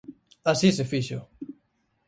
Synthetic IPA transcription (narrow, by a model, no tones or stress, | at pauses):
asisefiʃʊ̰